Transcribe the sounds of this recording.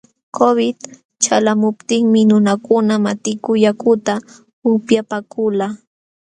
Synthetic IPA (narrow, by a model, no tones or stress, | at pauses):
kʰobɪt̪ | t͡ʃalamʊp̚t̪ɪŋmɪnʊnakʊnamat̪ɪkʊjakʊt̪a | ʊpjapakʊla